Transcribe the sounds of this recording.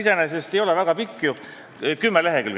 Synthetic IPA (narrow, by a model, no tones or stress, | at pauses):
isenesest̪e̞jo̞lɛvæɡ̥ɑpikːju | kymːeleɦekyl